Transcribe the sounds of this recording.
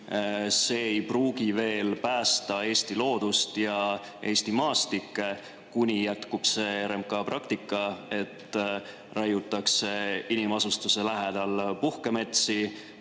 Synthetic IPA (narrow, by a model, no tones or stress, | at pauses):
se̞ːejpruːɡ̥ive̞ːlpæːst̪ɑe̞ːst̪ilo̞ːd̪̥ust̪jɑ | ʔe̞ːst̪imɑːst̪ikːˑe | kunʲijæt̪kub̥se̞ɾemkɑprɑkt̪ikːˑɑe̞t̪ː | rɑjut̪ːˑɑkse̞inimɑsust̪use̞læɦed̪̥ɑlpuhke̞me̞t̪si